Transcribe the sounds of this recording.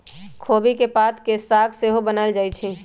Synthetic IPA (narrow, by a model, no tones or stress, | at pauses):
kʰoːbikepaːt̪kesaːɡseɦobənaɪld͡ʒaːit͡ʃʰi